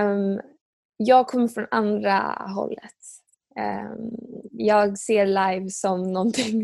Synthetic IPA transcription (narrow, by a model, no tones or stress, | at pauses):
m | jɑːɡ̚kʰɔmːəɾfɾɔna̰nd̪ɾa̰ɦɔ̰lːə̰t̪ | jɑːɡseːɾlajvsɔmnɔnt̪ʰɪŋ